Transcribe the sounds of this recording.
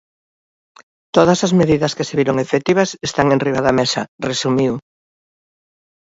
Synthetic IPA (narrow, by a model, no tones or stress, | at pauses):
t̪oð̞ɐsɐzmeðiðɐskeseβiɾoŋefet̪iβ̞ɐsest̪aŋẽnriβaðɐmesɐresumiw